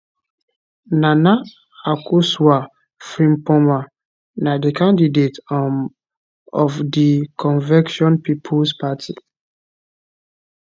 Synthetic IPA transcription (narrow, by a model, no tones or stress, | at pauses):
nana | akuswa | fɾĩmpɔma | nadikãndidet | ɔfdikʰɔ̃nvɛkʃɔ̃npipʰulspatʰḭ